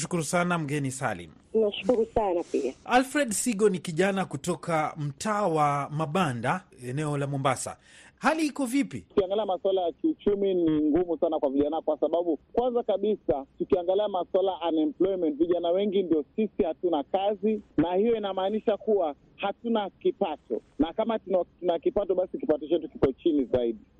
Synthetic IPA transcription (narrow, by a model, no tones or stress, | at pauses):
ʃu̥kuɾusanam̩ɡɛnisa̰lḭm | naʃu̥kuɾusanapiaalfɾɛɗsiɠɔnikiʄanakutɔkam̩tʰaːwamaɓandaɛnɛɔlamɔmbasa̰halihikɔvipḭtu̥kiaŋɡaliamaswalajakiut͡ʃuminiŋɡumusanakwaviʄanakwasaɓaɓukwanzakaɓisatukiaŋɡaliamaswalaʔanɛmplɔimɛntviʄanawɛŋɡindijɔsisihatunakazinahijɔinamaːniʃakuwa | hatunakipatɔ̰nakamatunatunakipatɔɓasikipatɔt͡ʃɛtuki̥kɔt͡ʃinizaiɗi